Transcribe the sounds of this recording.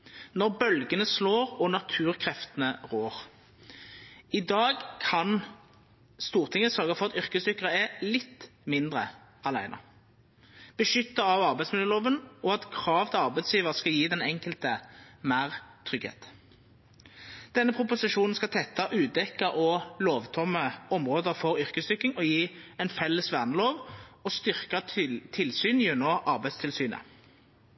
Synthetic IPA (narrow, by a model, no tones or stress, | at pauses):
nɔʁbœlɡənəsloːʁɔnɑt̪ʰʉːʁkʰʁɛft̪ənəʁoːʁ | ɪd̪ɑːɡkʰɑn | st̪uːʁt̪ʰɪŋəsœʁɡəfɔʁɑt̪ʏʁkəsd̪ʏkːəʁəɛlɪt̪ːmɪnd̪ʁə | ɑlæ̰ɪnʔɑ̰ | b̥əʃʏt̪ːɑɑʋɑʁbæɪsmɪləloːʋənɔɑt̪kʰʁɑːʋt̪ʰɪɑʁbæɪt̪sjiːʋəʁskɑljiːd̪ɛnɛŋkəlt̪əmæːʁt̪ʰʁʏɡhḛːt̪ | d̪̥ɛnːəpʰʁʊpʊsɪʃuːnn̩skɑt̪ʰɛt̪ːɑʔʉːd̪ɛkːɑʔɔloːʋt̪ʰɔməɔmʁoːd̪əfɔʁʏʁkəsd̪ʏkɪŋɔjiːɛɪnfɛlːəsʋæʁnəloːʋɔst̪ʏʁkɑt̪ʰɪlsyːnjʉnɔʔɑʁbæɪd̪st̪ʰɪlsyːnə̰